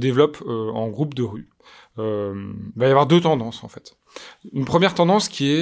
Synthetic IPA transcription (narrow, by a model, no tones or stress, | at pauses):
əd̪evlɔpʰøɑ̃ɡʁupd̪əʁy | ømivajavwaʁd̪øt̪ɑ̃d̪ɑ̃sɑ̰̃fɛt̪ | ynpχəmjɛʁt̪ɑ̃d̪ɑ̃skʲiɛ